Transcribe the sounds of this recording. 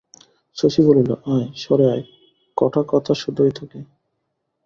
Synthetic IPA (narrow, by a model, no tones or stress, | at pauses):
ʃoʃiboleloʔajʃɔɾeaj | kɔʈʰakɔt̪ʰaʃud̪ʱojt̪ʰake